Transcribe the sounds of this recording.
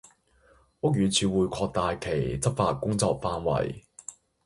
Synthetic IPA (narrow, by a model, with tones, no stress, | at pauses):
ʊ˥k̚jyː˨˧t͡sʰyː˨˧wuː˨jkʰɔː˧k̚t̪aː˨jkʰe˨˩jt͡sɐ˥p̚faː˧t̚kʊ˥ŋt͡sɔː˧k̚faː˧nwɐ̰˨˩j